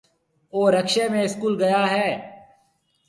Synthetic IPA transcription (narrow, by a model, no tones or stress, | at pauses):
oːɾəkʃemẽɪskuːlɡɐjaɦɛː